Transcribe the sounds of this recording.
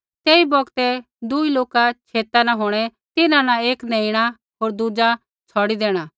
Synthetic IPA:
t̪eːibɔɡt̪ɛ | d̪uiloːkat͡ʃʰeːt̪anãɦoːɽ̃ɛ | t̪ɪnãnãeːknɛ̃ːiɽ̃a | ɦoːɾd̪ud͡ʒa | t͡sʰɔːɽid̪eːɽ̃a

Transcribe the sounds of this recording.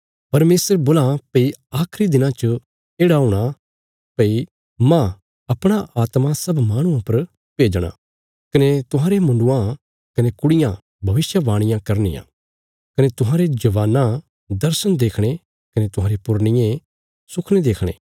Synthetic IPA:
pɐɾmeːsəɾboːlapɐiaːkʰɾid̪ɪnãt͡ʃə | eːɽaɦʊ̃ːɽ̃a | pɐi | mã | ɐpɽ̃aʔaːt̪masɐbmaːɽ̃ʊ̃ãpɐɾ | peːd͡ʒɽ̃ã̰ | kɐnet̪ʊɦãːɾemʊ̃ɳɖʊã | kɐnekʊɽɪjã | bʱɐʋɪsjəʋaːɽ̃ɪ̃jãkɐɾnɪ̰jã̰ | kɐnet̪ʊɦãːɾed͡ʒɐʋaːnã | d̪ɐɾsənd̪eːkʰɽ̃e | kɐnet̪ʊɦãːɾepʊɾnɪjẽ | sʊkʰɽ̃ed̪eːkʰɽ̃ḛː

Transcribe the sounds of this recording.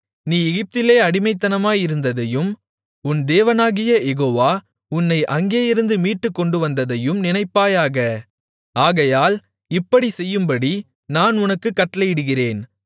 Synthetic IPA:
niːjɛɣɪp̚t̪ɪleːɐɽɪmɐɪt̪̬ːɐnɐmaːjɪɾɯnd̪ɐðɐjɯm | ʊnd̪eːʋɐnaːɣɪjɐjɛɣoːʋaː | ʊnːɐɪʔɐŋɡeːjɪɾɯnd̪ɯmiːʈːɯkːɔɳɖɯʋɐnd̪ɐðɐjɯmnɪnɐɪpːaːjaːɣɐ | aːɣɐjaːl | ɪpːɐɽisɛjːɯmbɐɽi | naːnʊnɐkːɯkːɐʈːɐlɐjɪɽɯɣɪreːn

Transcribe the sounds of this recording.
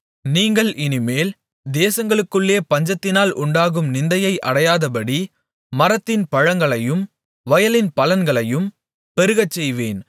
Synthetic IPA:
niːŋɡɐɭʔɪnɪmeːl | d̪eːsɐŋɡɐɭɯkːɯɭːeːpɐɲd͡ʒɐt̪ːɪnaːlʔʊɳɖaːɣɯmnɪnd̪ɐjɐɪʔɐ̰ɽɐjaːðɐpɐɽi | mɐɾɐt̪ːɪnpɐɻɐŋɡɐɭɐjɯm | ʋɐjɐlɪnpɐlɐnɡɐɭɐjɯm | pɛɾɯɣɐt͡ʃːɛjʋeːn

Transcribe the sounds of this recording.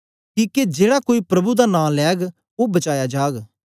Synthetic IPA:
kiːked͡ʒeːɽakoːipɾɐbud̪anãːlɛːɡ | obɐt͡ʃaːjad͡ʒaːɡ

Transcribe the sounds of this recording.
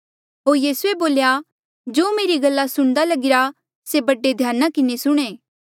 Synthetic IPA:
ɦoːɾjiːsueboːlja | d͡ʒoːmeːɾiɡɐlːasʊɽ̃d̪alɐɡɪɾa | sebɐɖːed̪ʱjaːnakɪnesʊɽ̃eː

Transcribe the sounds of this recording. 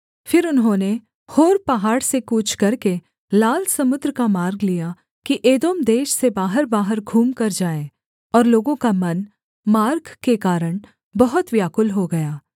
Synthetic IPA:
fɪɾʊnɦõːne | hoːɾpɐɦaːɽsekuːt͡ʃʰkɐɾke | laːlsɐmʊd̪ɾkamaːɾɡlija | kiʔeːd̪oːmd̪eːʃsebaːɦəɾbaːɦəɾɡʱuːmkɐɾd͡ʒaːe | ɔːɾloːɡõkamɐn | maːɾɡkekaːɾəɽ̃ | bɐɦʊt̪ʋjaːkʊlɦoɡɐjaː

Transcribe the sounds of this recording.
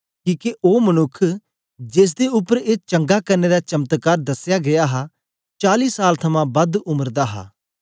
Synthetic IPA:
kĩːkeʔoːmɐnʊkʰː | d͡ʒeːs̬d̪eʊpːəɾeːt͡ʃɐ̃ŋɡakɐɾneɾat͡ʃɐmət̪kaːɾd̪ɐsːjaɡɐjaɦa | t͡ʃaːliːsaːlt̪ʰɐmãbɐd̪ʊməɾd̪aɦa̰ː

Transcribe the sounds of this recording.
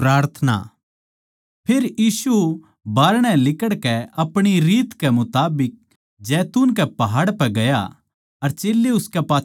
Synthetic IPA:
ɾaːɾt̪ʰna̰ | pʰeːɾjiːsu | baːɾɽ̃ɛ̃lɪkəɽkɛɐpɽ̃iɾiːt̪kɛmʊt̪aːbɪk̚ | d͡ʒɛːt̪uːnk̬ɛpɐɦaːɽpɛɡɐja̰ | ɐɾt͡ʃeːlːeʊskɛpaː

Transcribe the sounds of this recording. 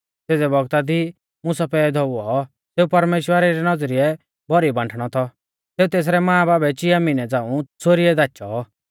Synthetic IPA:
seːd͡zɛbɔɡt̪ad̪i | mʊ̃sapɛːɛd̪ʱɔuɔɦɔ | seːupɐɾmeːʃwəɾɛɾɛnɔd͡zɾɪɛ | bɔɾibãːɳʈʰɽ̃ɔt̪ʰɔ | seːut̪eːs̬ɾɛmãːbaːbɛt͡ʃɪamɪnɛd͡zãːũt͡sʰoɾiɛd̪aːt͡ʃɔ

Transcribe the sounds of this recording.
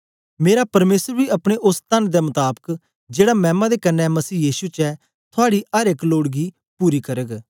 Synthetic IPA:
meːɾapɐɾmeːsəɾbiɐpɽ̃eʔʊst̪ənd̪emʊt̪aːbək | d͡ʒeːɽamɛ̃ːmãd̪ekənːɛmɐsiːjiːsut͡ʃɛ | t̪ʰʊaːɽiəɾekloːɽɡi | puːɾikəɾəɡ

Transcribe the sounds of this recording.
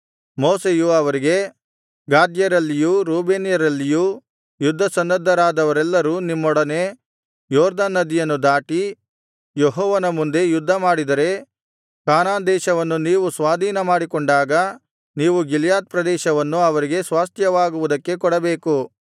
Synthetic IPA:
moːsejuɐʋɐɾiɡe̞ | ɡaːd̪jɐɾɐlːijuɾuːbeːnijɐɾɐlːiju | jud̪ʱːɐsɐnːɐd̪ːɐɾaːd̪ɐʋɐɾɛlːɐɾuːnimːɔɽɐne̞ | jɔːɾd̪aːnːɐd̪ijɐnːud̪aːʈi | jeɦɔːʋɐnɐmund̪e̞jud̪ʱːɐmaːɽid̪ɐɾe̞ | kaːnaːnd̪ɛːʃɐʋɐnːuniːʋusʋaːd̪ʱiːnɐmaːɽikɔɳɖaːɡɐ | niːʋuɡiljaːt̪̚pɾɐd̪ɛːʃɐʋɐnːuɐʋɐɾiɡe̞sʋaːst̪jɐʋaːɡuʋud̪ɐkːe̞kɔɽɐbeːku

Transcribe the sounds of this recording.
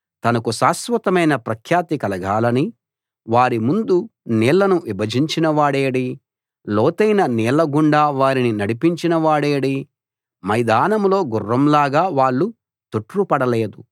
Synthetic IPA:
t̪ɐnɐkusaːsʋɐt̪ɐmɐjnɐpɾɐkʰjaːt̪ikɐlɐɡaːlɐni | ʋaːɾimund̪uniːlːɐnuʋibɐd͡ʒiɲt͡ʃinɐʋaːɽeːɽi | lɔːt̪ɐjnɐniːlɐɡuɳɖaːʋaːɾininɐɽipiɲt͡ʃinɐʋaːɽeːɽi | mɐjd̪aːnɐmlo̞ːɡurːɐmlaːɡaːʋaːɭːu | t̪uʈɾupɐɽɐleːd̪u

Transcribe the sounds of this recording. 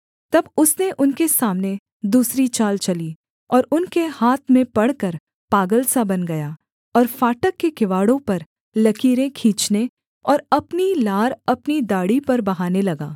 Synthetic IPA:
t̪ɐbʊsneʔʊnkesaːmne | d̪uːsɾit͡ʃaːlt͡ʃɐliː | ɔːɾʊnkehaːt̪ʰmẽpɐɽkɐɾ | paːɡəlsabɐnɡɐjaː | ɔːɾfaːʈəkːekɪʋaːɽõpɐɾ | lɐkʰiːɾẽkʰĩːt͡ʃne | ɔːɾɐpnilaːɾɐpnid̪aːɽipɐɾbɐɦaːnelɐɡaː

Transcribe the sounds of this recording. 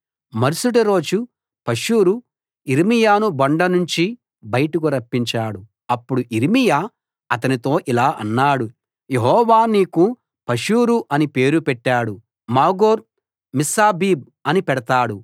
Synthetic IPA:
mɐɾusuʈɐɾo̞ːd͡ʒu | pɐʂuːɾu | iɾimijaːnubɐɳɖɐnuɲt͡ʃi | bɐjɐʈukuɾɐpːiɲt͡ʃaːɽu | ɐpːuɽuʔiɾimijaː | ɐt̪̬ɐnit̪o̞ːʔilaːʔɐ̰nːaːɽu | jeɦɔːʋaːniːku | pɐʂuːɾuʔɐnipe̞ːɾupɛʈːaːɽu | maːɡoːɾ | misaːbiːb̚ | ɐnipɛɽɐt̪aːɽu

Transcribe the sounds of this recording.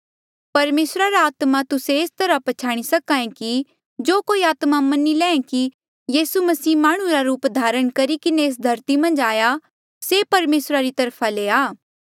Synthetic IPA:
pɐɾmeːsɾaɾaaːt̪mat̪ʊseest̪ɐɾapɐt͡ʃʰaːɽ̃isɐkãːẽki | d͡ʒoːkoːiaːt̪mamɐnilɛ̃ːẽki | jiːsumɐsiːmaːɽ̃ũɾaɾuːpd̪ʱaːɾəɽ̃kɐɾikɪneːs̬d̪ʱɐɾt̪imɐ̃nd͡ʒaːja | sepɐɾmeːsɾaɾit̪ɐɾpʰaleːaː

